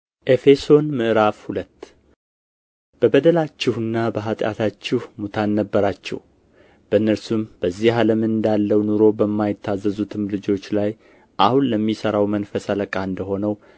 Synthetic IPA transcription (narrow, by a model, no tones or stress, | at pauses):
ʔe̞fe̞so̞nmɨʔɾafhulət̪ː | b̥əbəd̪əlat͡ʃːɪhɨnːabəɦat̪ʼja̰t̪ʰat͡ʃːɪhmut̪ʰanːəbːəɾat͡ʃːɛ̰h | b̥əɨnːəɾsumb̥əzːihaləmɨnd̪alːəwnuɾo̞bəmːajɪt̪ʰːazːəzut̪ʰɨmlɨd͡ʒo̞t͡ʃːlaj | ʔahunləmːisəɾawmənfəsaləkʼaɨnd̪əɦo̞nəw